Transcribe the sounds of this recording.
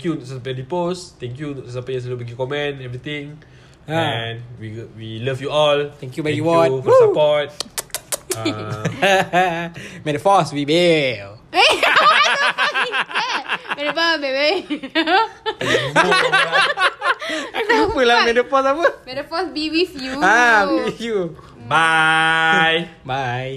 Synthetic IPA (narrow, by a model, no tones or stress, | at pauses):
kjusapɛdipost̪ɛ̃ŋkjusapas̬lobiɡikɔmɛ̃nɛvɹit̪ĩŋ | anwiwiləfjuɔlt̪ɛ̃ŋkjubɛjuwɔ̃fdpɔt̚ | mɛdəfɔswibe | e | mɛdpabebe | upulamɛdəpɔsapəmɛdəfɔsbiwifjuabiifju | ba | jbaj